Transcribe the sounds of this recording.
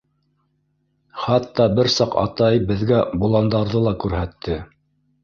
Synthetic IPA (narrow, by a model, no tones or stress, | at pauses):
χɑt̪ːɑbɘɾsɑqɑ̰t̪ɑjbɘ̆ðɡæbulˠɑnd̪ɑɾðɤlˠɑkʉɾhæt̪ːɘ